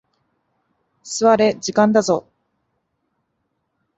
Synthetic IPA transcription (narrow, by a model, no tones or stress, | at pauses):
sɨβaɾe̞d͡ʑikãnd̪azo